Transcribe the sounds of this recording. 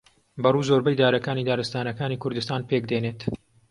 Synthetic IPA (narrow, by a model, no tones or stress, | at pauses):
bɐruːzoɾbɐjd̪aːɾɐkaːniːd̪aːɾɨst̪aːnɐkaːniːkʰʊɾd̪ɨst̪aːnpekd̪eːneːt̪